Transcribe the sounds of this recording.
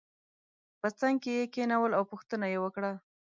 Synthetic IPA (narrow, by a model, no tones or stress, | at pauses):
pət͡saŋɡ̚kejekenawəlawpuxt̪ənajewəkɽa